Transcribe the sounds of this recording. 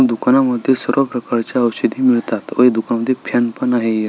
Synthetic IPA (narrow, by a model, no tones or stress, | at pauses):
d̪ukanaməd̪ʱːjesəɾʋapɾəkaɾt͡ɕjaəwɕed̪iːmiɭt̪at̪ʋə̰ed̪ukanaməd̪ʱjepʰjanpənaɦeje